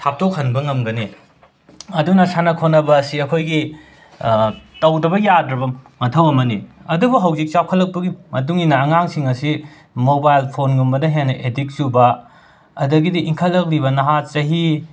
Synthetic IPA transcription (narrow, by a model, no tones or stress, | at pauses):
tʰap̚tʰokhɐnbɐŋɐmɡɐni | ɐdunɐsanɐkʰonɐbɐːsiɐkʰojɡi | tɐwdɐbɐjadɾɐbɐmɐtʰɐwɐmɐniɐdubuɦɐwzik̚t͡ʃawkʰɐlːɐk̚pɐɡimɐt̬uŋinɐːŋaŋsiŋɐsi | mobajlpʰonɡumbɐdɐɦenːɐʔedik̚subɐ | ɐdɐɡidiʔiŋkʰɐlːɐk̚ɾibɐnɐɦat͡ʃɐɦi